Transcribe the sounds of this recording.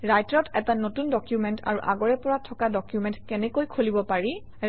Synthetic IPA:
ɹajtɹɔtɛtanotundɔkjumɛntʰa̰ɹuʔa̰ɡɔɹɛpɔɹatʰɔkadɔkjumɛntkɛnɛkojkʰolibɔpaɹi

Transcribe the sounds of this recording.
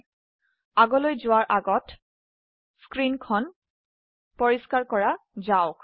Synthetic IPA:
aɡɔlojzʊwaɹʔaɡɔt | skɹinkʰɔn | pɔɹiskaɹkɔɹazaʊk

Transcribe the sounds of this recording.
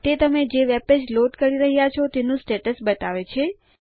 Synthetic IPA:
t̪et̪əmed͡ʒeʋeped͡ʒloɖkəɾiɾəɦjat͡ʃʰot̪enũsʈeʈəsbət̪aʋet͡ʃʰe

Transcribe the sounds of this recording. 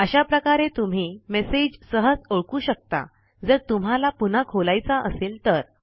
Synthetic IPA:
əɕapɾəkaɾet̪um̤iːmesed͡ʑsəɦəd͡zoɭkuːɕək̚t̪a̰ | d͡zəɾt̪um̤alapun̤akʰolajt͡saʔə̰seːlt̪əɾ

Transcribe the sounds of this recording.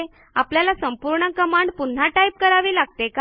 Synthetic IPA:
e | apljalasəmpuɾɳəkəmaɳɖpun̤ːaʈaip̚kəɾaʋiːlaɡ̚t̪eka

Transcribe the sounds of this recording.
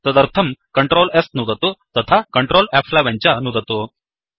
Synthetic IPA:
t̪əd̪əɾt̪ʰəmkəɳʈɾolest̪nud̪ʱət̪ot̪ət̪ʰakəɳʈɾolæfʰlaʋãɲt͡ɕjanud̪ʱət̪o

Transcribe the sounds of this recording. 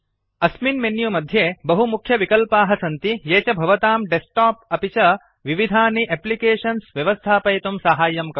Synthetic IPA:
ɐsminmenjumɐd̪ʱjeːbɐɦumukʰjɐʋikɐlpaːɦɐsɐnt̪ijeːt͡ʃɐbʱɐʋɐt̪aːmɖesʈaːp̚ɐpit͡ʃɐ | ʋiʋid̪ʱaːniʔeplikeːʂɐnsʋjɐʋɐst̪ʰaːpɐjt̪umsɐɦaːjɐmk

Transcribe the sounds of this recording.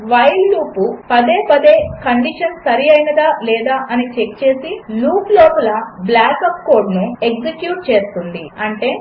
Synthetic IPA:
ʋɐjlːuːpupɐd̪e̞ːpɐd̪e̞ːkɐɳɖiʂɐnsɐɾiɐjnɐd̪aːlɛːd̪aːʔɐnit͡ʃe̞kt͡ʃeːsiluːplɔːpɐlɐblaːkɐp̚ko̞ːɾɖnueɡd͡ʒekjuːʈ̚t͡ʃe̞ːst̪und̪ḭɐɳʈe̞ː

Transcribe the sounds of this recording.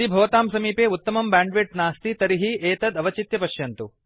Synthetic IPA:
ibʱɐʋɐt̪aːmsɐmiːpeːut̪ːɐmɐmbaːɳɖʋiʈnaːst̪it̪ɐɾiɦieːt̪ɐd̪ɐʋɐt͡ʃit̪jɐpɐʃjɐnt̪u

